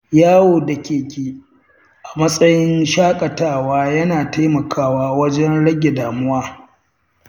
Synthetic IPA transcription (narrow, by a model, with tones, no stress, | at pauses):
jaː˦woː˨dɐ˨kʲeː˨kʲiː˨ | ʔa˨mɐ˦sʼɐ˦jɪ˦nʃaː˦kʼɐ˨taː˦˨waː˦jɐ˦naː˨ta˦jmɐ˨kʰaː˦waː˦wɐ˦d͡ʒɛ˦nɽɐ˦ɡʲe˨daː˨mʊ˦waː˦